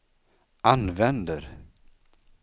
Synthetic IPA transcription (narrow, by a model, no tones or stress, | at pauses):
ʔanvɛnd̪əɾ